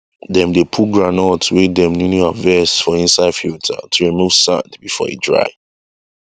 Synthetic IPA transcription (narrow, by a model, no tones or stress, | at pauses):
dɛ̃mdepʰut̚ɡɹãnɔtwedɛ̃mnunjuavɛsfɔĩnsaɪdfiltʰa̰tʰuɹimuv̥sã̰ndbifɔ̰ḭdɹa̰ɪ